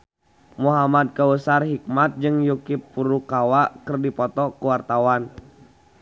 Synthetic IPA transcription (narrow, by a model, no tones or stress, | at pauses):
muɦamad̪̚kəwəsarɦik̚mat̪̚d͡ʒɨŋjukipːuɾukawakərdipɔt̪ɔkuwart̪awan